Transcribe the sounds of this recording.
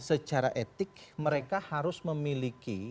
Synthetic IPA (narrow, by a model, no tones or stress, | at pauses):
sət͡ʃaɾa̰ʔet̪ɪk̚məɾekahaɾʊsməmiliki